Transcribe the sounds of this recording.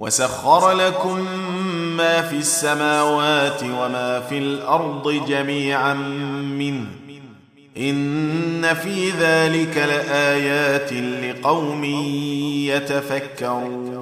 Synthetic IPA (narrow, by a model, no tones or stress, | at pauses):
wa̰saxːɑɾˤlakʊmː | aːfiːasːamaːwaːt̪ɪwamaːfiːlʔɑɾˤd̪ˤɨd͡ʒamiːʕanmɪnh | ʔɪnːafiːðaːlɪkalɪʔaːjaːt̪ɪlɪqɑwmiːjat̪afakːaɾuː